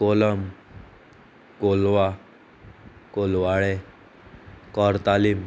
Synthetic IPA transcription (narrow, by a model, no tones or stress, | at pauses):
koləm | kolʋa | kolʋaɭe | kɔɾt̪alim